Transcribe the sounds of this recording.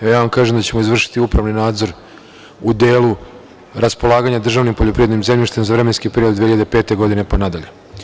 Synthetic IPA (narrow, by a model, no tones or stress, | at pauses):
ajaːʋamkaːʒemd̪at͡ɕe̞mo̞izʋr̩ʃi̥t̪iupɾaʋninaːd̪zo̞ɾ | ud̪e̞ːlu | ɾaspo̞lˠaːɡaɲad̪r̩ʒaʋnimpoʎo̞pɾiʋed̪nimzemʎiʃt̪emzaʋɾemenskipeɾiod̪ːeiʎad̪epeːt̪e̞ɡo̞d̪ine̞panad̪aʎe